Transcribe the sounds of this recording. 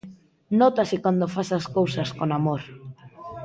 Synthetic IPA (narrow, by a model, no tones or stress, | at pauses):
nɔt̪asɪkwand̪ofasaskowsɐskonamoɾ